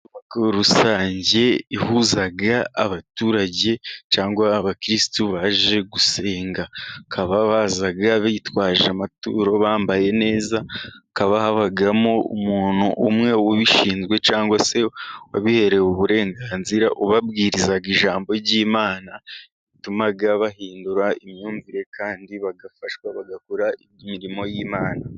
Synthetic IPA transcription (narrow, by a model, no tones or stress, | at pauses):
umakuɾusaːɲɟe̞ihuːzaɡaːβatuːɾaɟe̞t͡ʃaːŋɡwaːβakɾistuβaʒe̞ɡuse̞ːŋɡakʰaβaβaːzaɡaβejitwaːʒamatṵːɾo̞βaːmbaje̞ne̞ːzakaβahaβaɡamo̞ṵmuːn̥huʔumŋe̞woβiʃiːnzɡwe̞t͡ʃaːŋɡwase̞waβihe̞ɾe̞uβuɾe̞ːŋɡaːnziɾaʔoβabɡiːɾizaɡiʒaːmbo̞ɟiːmaːna | itumaɡaβahiːnduɾaimɲuːɱviɾe̞kʰaːndiβaɡafaʃwaβaɡakuɾa | miɾimo̞jiːmaːna